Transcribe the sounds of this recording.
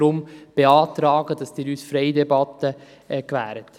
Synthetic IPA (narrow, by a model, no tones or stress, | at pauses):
ɾʊmb̥eɑːt̪ɾɑːɡ̥əd̥ɑsd̥iɪːɾyːsfɾɛɪdɛbɑt̪ə | ɛkvæ̰ːɾət